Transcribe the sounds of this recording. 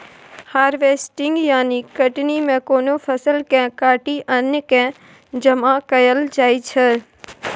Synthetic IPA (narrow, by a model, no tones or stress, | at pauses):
haːɾʋeːsʈɪ̃ŋɡjaːnikɐʈnimẽkoːnopʰɐsəlkɛ̃kaːʈiʔənjəkɛ̃ | d͡ʒəmãkɐjəld͡ʒaːit͡ʃʰə